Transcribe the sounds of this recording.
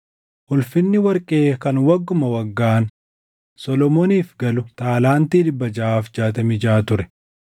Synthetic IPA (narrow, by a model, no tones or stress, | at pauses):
ʔʊlfɪnːɪwɐɾkʼeːkɐnwɐɡːʊmɐwɐɡːaːn | sɔlɔmoːniːfɡɐlʊt̪aːlaːnt̪iːd̪ɪbːɐd͡ʒɐʔaːfd͡ʒaːt̪ɐmɪd͡ʒaːt̪ʊɾɛ̥